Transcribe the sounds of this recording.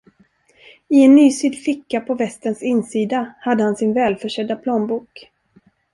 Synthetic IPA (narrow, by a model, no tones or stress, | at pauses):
ɪɛnːyːsyːd̪fɪkːapʰɔvɛst̪ənsɪnːsiːd̪ahad̪ːəhansɪnvɛːlfœʂɛd̪ːapʰloːmbuːk